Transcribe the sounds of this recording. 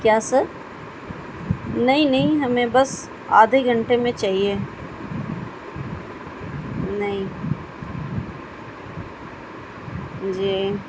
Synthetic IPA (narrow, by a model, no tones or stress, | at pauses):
kjaːsɐɾ | nɐɦĩnɐɦĩɦɐmẽbɐs | aːd̪ʱeɡʱɐ̃ɳʈemẽt͡ʃaːɦie | nɐɦĩ | d͡ʒiː